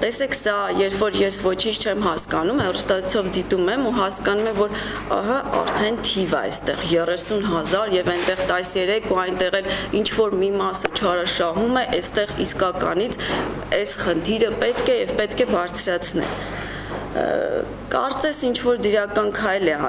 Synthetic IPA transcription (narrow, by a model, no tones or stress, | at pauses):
t̪ɛsɛkʰsɑjɛɾpfɔɾjɛsvɔt͡ʃʰint͡ʃʰt͡ʃʰɛmɦɑskɑnumhɛrust̪ɑt͡sʰu̥t͡sʰɔvd̪it̪umɛmuɦɑskɑnumɛmvɔɾ | ɑ̰ɦɑɑ̰ɾt̪ʰɛnt̪ʰivəɛ̰st̪ɛ̰ʁjɛrɛsunɦɑzɑɾjɛvɛnt̪ɛʁt̪ɑjsjɛɾɛkʰuɑjnt̪ɛʁɛlint͡ʃʰvɔɾmimɑsət͡ʃʰɑɾɑʃɑɦumɛʔɛst̪ɛʁiskɑkɑ̰nit͡sʰ | ɛsχənt̪ʰiɾəpɛt̪kʰɛjɛvpɛt̪kʰɛbɑɾt͡sʰɾɑt͡sʰnɛ̰ | kɑ̰ɾt͡sɛsint͡ʃʰvɔɾd̪əɾɑkɑnkʰɑjlɛ